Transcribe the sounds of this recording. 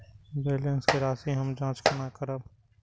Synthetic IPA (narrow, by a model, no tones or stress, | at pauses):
beːlənskeɾaːsĩɦɐmd͡ʒãːt͡ʃkʰɐnakəɾab